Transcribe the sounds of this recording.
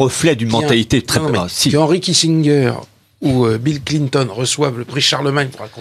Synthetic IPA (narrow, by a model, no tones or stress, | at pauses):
ʁəflɛd̪ynmɑ̃t̪alit̪et̪χɛmsikɑ̃ʁikʲisiŋɡʲœːʁ | uøbilklint̪ɔnʁəswavləpχiʃaʁləmaɲpuʁlakɔ̃